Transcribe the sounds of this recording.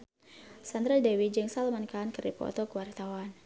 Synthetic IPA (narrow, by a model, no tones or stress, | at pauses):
sand̪ɾadɛwid͡ʒəŋsalmankankərdipɔ̰t̪ɔkəwart̪awan